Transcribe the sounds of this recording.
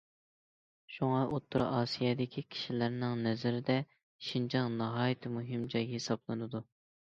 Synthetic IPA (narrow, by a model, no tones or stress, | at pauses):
ʃuŋɑʔot̪ʰːuɾ̰ʔɑːsijɛd̪ɪkʲʰikʲʰi̥ʃilæɾnɪŋnɛzɪɾɪd̪ɛ | ʃind͡ʒɑnnɨɦɑːjit̪ʰɪmuɦɪmd͡ʒɑjhesɑblˠɨnɨd̪u